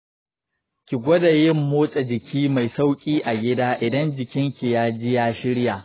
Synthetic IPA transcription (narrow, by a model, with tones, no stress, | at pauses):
kʲi˨ɡʷɐ˦da˨jɪ˦mːoː˦t͡ʃʼe˨d͡ʒɪ˨kʲʰiː˦ma˨jsa˦wkʲʼiː˦ʔa˨ɡʲɪ˦daː˦ʔɪ˨dɐ˦nd͡ʒɪ˨kʲɪ˦ŋkʲi˨jaː˦d͡ʒɪ˦jaː˦ʃɪ˦ɽja˨ʔ